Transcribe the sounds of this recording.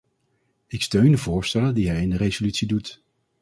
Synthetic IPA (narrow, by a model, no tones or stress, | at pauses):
ɪkstøɥndəvʊːɹstɛləndiɦɛjɪndərezolytsidut